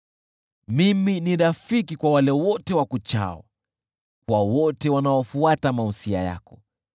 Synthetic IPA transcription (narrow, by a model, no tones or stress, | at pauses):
miminiɾafikikwawalɛwɔtɛwakut͡ʃa̰ɔ̰ | kwawɔtɛwanaɔfuatamausia̰ja̰kɔ